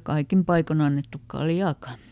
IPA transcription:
kɑikim pɑikon ɑnːetːuk kɑljɑːkɑ

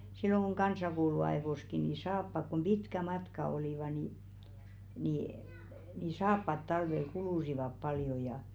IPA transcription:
silːoŋ ɡ̊u̞ŋ ɡ̊ɑnsɑkouluɑe̝ʋoski ni sɑːpːɑk kom b̥itkæ mɑtkɑ oliˑʋɑ ni niˑ ni sɑːpːɑt tɑlʋel kuluˑsiʋɑp pɑljo jɑˑ

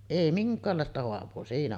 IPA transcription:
ʔei miŋkˑɑːlːɑˑestɑ hoɑʋˑoː siːnæ

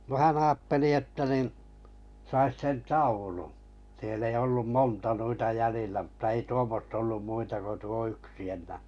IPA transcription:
no hæn ɑːtːeli etːæ nin sɑis sen tɑulu sielː ei olːum montɑ nuitɑ jælilːæ m̩tɑ ei tuomːostɑ olːum muitɑ ko tuo yksi enˑæː

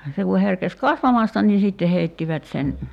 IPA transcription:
se ku herkes kɑsʋɑmɑstɑ niː sitːe heitːiʋæt sen

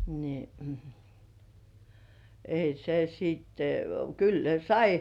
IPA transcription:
ni ei se siːtːe kyl ne sɑi

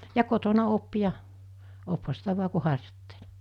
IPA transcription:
jɑ kotonɑ op jɑ ophɑ sitæ ʋu̞ɑ ku hɑrjotːe̥l̥

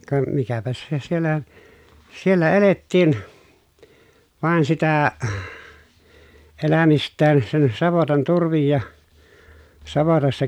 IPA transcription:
kɑ mikæpæs se sielːæ sielːæ eletːiːn ʋɑˑen sitæ elæmistˑæːn sen sɑʋotɑn turʋij jɑ sɑʋotɑsːɑ

